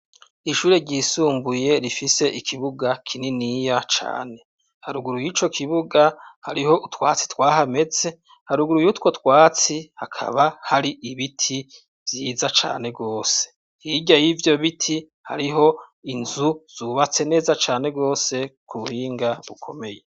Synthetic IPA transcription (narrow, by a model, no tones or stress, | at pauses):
iʃuːɾe̞ɾɟiːsuːmbuje̞ɾifise̞ʔikʰiβuɡakʰininijat͡ʃa̰ːne̞ | haɾuɡuɾujiːt͡ʃo̞kʰiβuɡahaɾiho̞utwa̰ːt͡si̥twaːɦame̞ze̞ | haɾuɡuɾujutwo̞twaːt͡sihakʰa̰βahaɾiʔiβitʰi | vjiːzat͡ʃa̰ːne̞ɡo̞ːse̥ | iɟajivjo̞βitʰi | ha̰ɾiɦo̞inzuz̥uːβat͡se̞ne̞ːzat͡ʃaːne̞ɡɡo̞ːse̞kʰuβuhiːŋɡaβukʰo̞̰me̞je̞